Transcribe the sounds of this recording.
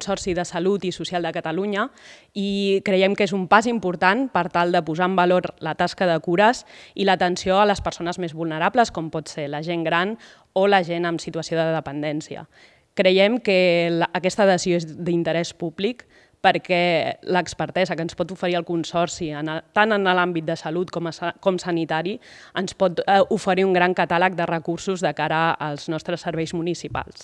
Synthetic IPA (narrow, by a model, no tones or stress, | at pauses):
nsɔɾsiðəsəlut̪isusialˠd̪əkət̪əluɲə | ikɾəjɛmkezumpazimpuɾt̪anpəɾt̪alˠd̪əpuzaəmbəloɾlət̪askəðəkuɾəziləːt̪ənsioələspəɾsonəzmezβulˠnəɾapləskɔmpɔt̪seləʒeŋɡɾan | oləʒenəmsit̪uəsioðəðəpənd̪ɛnsiə̰ | kɾəjɛmkəlːkɛst̪əðəzioezd̪int̪əɾɛspuβlik | pəɾkɛləːkspəɾt̪ɛzəkənspɔt̪ufəɾiəlˠkunsɔɾsiənət̪anənəlambit̪̚d̪əsəlut̪kɔmkɔmsənit̪aɾi | ənspɔt̪ufəɾiuŋɡɾaŋkət̪alək̚d̪ərəkuɾsuzðəkaɾəːlˠznɔst̪ɾəsːəɾβɛjzmunisipa̰lˠs